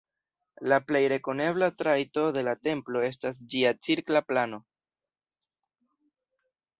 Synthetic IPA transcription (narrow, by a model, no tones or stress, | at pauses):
laple̞jɾe̞ko̞ne̞βlatɾajto̞de̞late̞mplo̞e̞s̬tas̬d͡ʒiat͡siɾklaplano̞